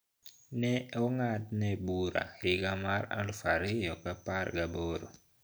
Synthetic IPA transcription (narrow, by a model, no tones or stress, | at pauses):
nɛɔŋatnɛbuɾa̰ɪɡamaɾa̰lfaɾɪjɔkaparɡaboɾo̰